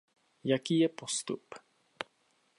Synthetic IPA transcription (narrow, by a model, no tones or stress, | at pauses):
jakiːjɛpost̪up